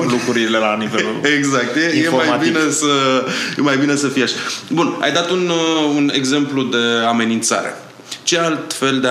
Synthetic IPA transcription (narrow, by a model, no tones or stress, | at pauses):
lukɾuɾile̞laniveeɡzak̚t̪jejeomajabiinesəjemajbine̞səfijaʃḁbuna̰jd̪at̪ununḛɡze̞mplud̪e̞ame̞nint̪sa̰ɾḛ | t͡ʃe̞alt̪fe̞ld̪e